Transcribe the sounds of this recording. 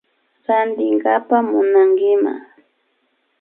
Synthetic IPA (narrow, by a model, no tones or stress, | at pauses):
ɾand̪ɪŋɡapamʊnaŋɡɪma̰